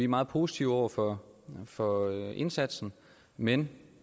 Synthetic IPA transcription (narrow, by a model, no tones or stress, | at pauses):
imɑ̈ːð̞̩ˠpʰo̝ːsi̥t͡sʰiʊɒʊ̰ɐfɒfɒ̽e̝nsæd̥sn̩ | men